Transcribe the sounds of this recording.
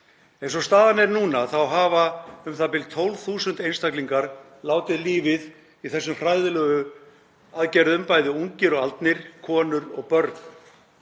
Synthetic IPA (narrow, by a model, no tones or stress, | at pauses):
ɛejnsɔst̪aːðanɛɾnuːnaθawɦaːvaʏmθapɪlt̪ʰowlθuːsʏnt̪ejnst̪akliŋkaɾ | laːwt̪ɪðliːvɪð | iθɛsːʏmr̥aːjðʏlœːɣʏ | aðcɛɾðʏmpajðɪuɲcɪɾɔɣalt̪nɪɾ̥kʰɔːnʏɾɔ̰ɣpœɾt̪n